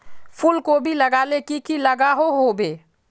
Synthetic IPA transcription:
pʰulkobʱiləɡaːlekikiləɡaːɦoɦobeː

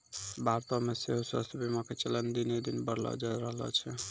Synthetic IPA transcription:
baɾt̪ɔmeseɦosəst̪bimaket͡ʃəlɛnd̪inid̪inbəɾlɔ̰d͡ʒaɾəɦlɔ̰t͡ʃʰɛ

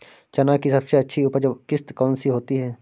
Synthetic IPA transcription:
t͡ʃɐnaːkisɐbseɐtːʃʰiʊpəd͡ʒkɪst̪kɔːnsiɦoːt̪iɦɛː

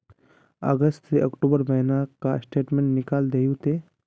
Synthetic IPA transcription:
ə̰ɡəst̪seɐkʈuːbəɾbɐɦnakasʈeːʈmẽɳʈnɪkaːld̪eːjut̪e

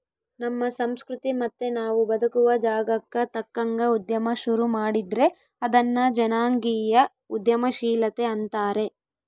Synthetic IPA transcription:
nɐmːɐsɐmskɾut̪imɐt̪ːenaːʋubɐd̪ɐkuʋɐd͡ʒaːɡɐkːɐt̪ɐkːɐŋɡɐud̪jɐmɐʃuɾumaːɽid̪ɾe̞ | ɐd̪ɐnːɐd͡ʒɐnaːŋɡijɐ | ud̪jɐmɐʃiːlɐt̪e̞ɐnt̪aːɾe̞

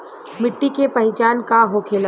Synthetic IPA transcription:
mɪʈːikepɐɦɪt͡ʃaːnkaɦokʰeːl

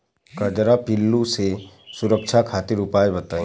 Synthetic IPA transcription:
kɐd͡ʒɾapɪlːuse | sʊɾəkʃʰakʰaːt̪ɪɾʊpaːebɐt̪aːẽ

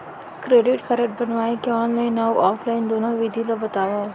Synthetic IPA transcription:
kɾeːɖɪʈkɐɾəʈ̚bɐnʋaːikeɔːnlaɪ̃nːawʔɔːflaːɪnd̪oːnoʋid̪ʱilabɐt̪aːʋa

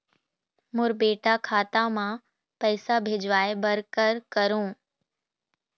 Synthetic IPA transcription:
mʊɾbeːʈakʰaːt̪amã | pɐɪsabʱeːd͡ʒʋaːebɐɾkəɾkəɾõː

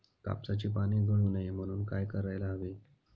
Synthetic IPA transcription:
ka̰pt͡sat͡ɕiːpaɽ̃iːd͡z̪ʱuɳunəjm̤əɽ̃uːnkajkəɾajlaɦaʋe

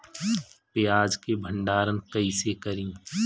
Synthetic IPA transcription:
pejaːd͡ʒkebʱə̃ɳɖaːɾənkɐisekɐɾĩː

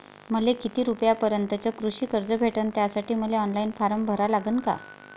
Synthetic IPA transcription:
məlekit̪iːɾupjapəɾjənt̪ət͡ɕəkɾuɕiːkəɾd͡zəbʱeʈənt̪jasaʈiːməleɔnlainfaɾəmbʱəɾalaɡəːnka̰

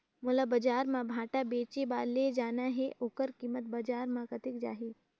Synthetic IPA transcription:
mʊlabɐd͡ʒaːɾmãbʱaːʈabeːt͡ʃebaːɾled͡ʒaːnaɦɛʔoːkəɾkiːmət̪̚bɐd͡ʒaːɾmãkɐt̪ɪkd͡ʒa̰ːɦiː

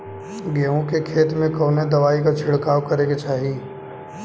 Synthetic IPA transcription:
ɡeːõkekʰeːt̪mẽkɐːned̪ɐʋaːikat͡ʃʰɪɽkaːʋkɐɾeːɡet͡ʃaːɦi

